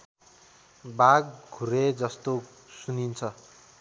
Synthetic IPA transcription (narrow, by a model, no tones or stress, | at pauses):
baɡ̚ɡʱuɾed͡zʌst̪o | sunint͡sʰʌ